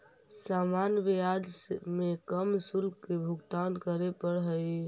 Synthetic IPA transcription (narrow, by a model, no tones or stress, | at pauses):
samanjʋijad͡ʒsmekəmsulkebʱuɡt̪ankəɾepəɾɦəj